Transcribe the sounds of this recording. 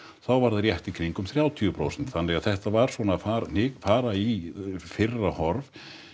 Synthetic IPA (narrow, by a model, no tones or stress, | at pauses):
θawvaɾðaɾjɛht̪ikʰɾiŋkʏmθɾjaːwt̪ʰiʏpʰɾo̰wsɛnt̪θanlɛɣaθɛht̪avaɾ̥svɔnaːfaːɾn̥ɪːkfaːɾaifɪrːahɔɾv